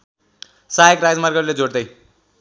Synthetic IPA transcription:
saekrad͡zmarɡʌɾled͡zoɽd̪ʌj

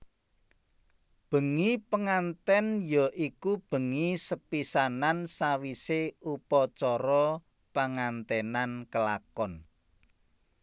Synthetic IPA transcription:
b̥ə̤ŋipəŋant̪ɛnjɔʔikub̥ə̤ŋisəpisanansawiseupɔt͡ʃɔɾɔ | paŋant̪ɛnankəlakɔn

